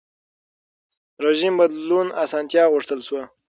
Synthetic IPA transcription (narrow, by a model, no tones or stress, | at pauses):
ɾeʒimbad̪lunasɑnt̪jɑɣʊʂt̪əlswa